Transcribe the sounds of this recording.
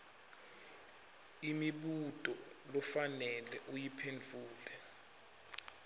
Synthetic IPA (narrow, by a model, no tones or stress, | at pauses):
imiɓutʼɔ | lɔfanɛlɛʔujipʰend͡ɮʱuːlɛ